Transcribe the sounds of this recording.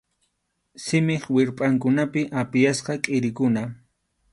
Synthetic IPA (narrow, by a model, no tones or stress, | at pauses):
sɪmɪχwɪɾpʼaŋkʊnapɪʔapɪjasqɑkʼɪɾɪkʊna